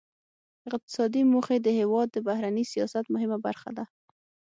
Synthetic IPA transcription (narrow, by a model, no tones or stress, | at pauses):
ɪqt̪ɪ̥sɑd̪imoxed̪əhewɑd̪ːəbahɾanisijɑsat̪mʊɦɪmaba̰ɾxa̰d̪a